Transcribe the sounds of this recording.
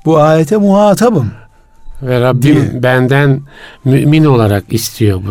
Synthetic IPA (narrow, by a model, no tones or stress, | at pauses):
buaːjet̪ʰɛmuhaːt̪ʰabɯm | vɛɾabːimbænd̪ænmyʔmino̞lˠaɾakist̪ʰijo̞bu